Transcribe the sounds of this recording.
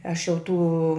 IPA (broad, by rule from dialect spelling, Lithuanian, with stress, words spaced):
ˈɐʃ jɛʊ ˈtuː